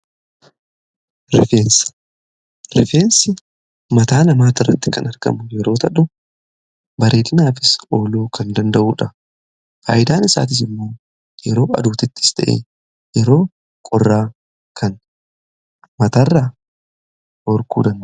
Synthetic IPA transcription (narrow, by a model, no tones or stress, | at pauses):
ɾɪfeːns | ɾɪfeːnsɪ | mɐt̪aːnɐmaːt̪ɪrːɐ̰t̪ːɪkɐnɐɾɡɐ̰mʊjɛɾo̞ːt̪ɐᶑʊ | bɐɾʔeːd̪ɪnaːfɪso̞ːloːkʰɐnd̪ɐnd̪ɐʔuːᶑɐ | fa̰ːʔɪd̪aːnɪsa̰ːt̪ɪs̬ɪmːo̞ː | jɛɾo̞ːʔɐ̰d̪uːt̪ɪt̪ːɪ̥st̪ɐ̰ʔḛ | jɛɾo̞ː | kʼɔrːaː | kʰɐn | mɐt̪arːaː | ɔɾkṵːd̪ɐnd̪